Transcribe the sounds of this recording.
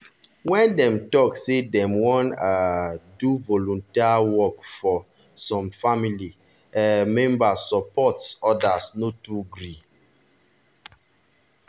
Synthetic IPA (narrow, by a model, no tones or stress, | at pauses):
wɛ̃ndɛ̃mtɔksedɛ̃mwɔ̃naduvɔlɔ̃ntiwɔkfɔ | sɔ̃mfamili | ɛmɛ̃mbasːɔpɔtsɔdasnotuɡɾi